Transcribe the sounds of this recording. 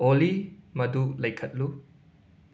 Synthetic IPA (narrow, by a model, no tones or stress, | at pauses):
olimɐdulɐjkʰɐt̚lu